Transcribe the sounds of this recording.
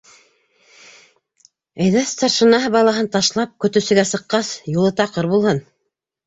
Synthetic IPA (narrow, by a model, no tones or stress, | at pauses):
æ̆jðæst̪ɑrʃɤ̆nɑɦɤbɑlˠɑɦɤnt̪ɑʃlˠɑp̚kɵ̆t̪ɵ̆sɘ̆ɡæsɤ̆qːɑsjulˠɤt̪ɑqɤɾbulˠhɤn